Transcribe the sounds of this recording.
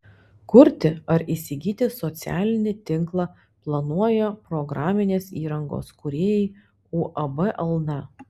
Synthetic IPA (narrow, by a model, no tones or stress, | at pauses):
kʊɾʲt̪ʲɪɐɾisʲɪɡʲiːt̪ʲɪsɔt̪sʲæ̰ːlʲɪnʲɪt̪ʲɪŋˑklˠɑː | plˠɐnuɔjɛpɾɔɡɾɑːmʲɪnʲeːsiːɾɐŋɡo̰ːskʊɾʲeːjɛɪ | uːʔɐbɛʔɛlˠnɐ